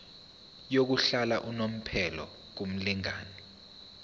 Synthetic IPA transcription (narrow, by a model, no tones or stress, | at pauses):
jok̬uɬalaʔunom̩pʰɛlɔ̰ | k̬um̩liŋa̰ːnɛ